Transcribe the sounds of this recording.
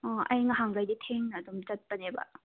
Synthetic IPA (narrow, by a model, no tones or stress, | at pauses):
ɔʔɐjŋɐɦaŋɾajditʰeŋnːdumd͡ʒɐt̚pɐnebɐ̰